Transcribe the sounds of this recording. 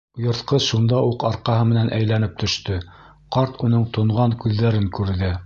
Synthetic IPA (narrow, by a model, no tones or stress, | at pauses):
jɤ̆ɾθqɤʃund̪ɑuqɑɾqɑɦɤmɘ̆nænʔæjlænɘp̚t̪ʰɵ̆ʃt̪ɵ | qɑɾt̪unɤɴt̪ŏɴʁɑŋkʉðːæɾɘŋkʉɾðɘ